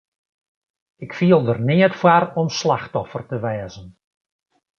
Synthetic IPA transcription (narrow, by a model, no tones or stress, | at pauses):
ɪkfiəlˠdərnɪətfwarɔmslaxtɔfərtəʋɛːzən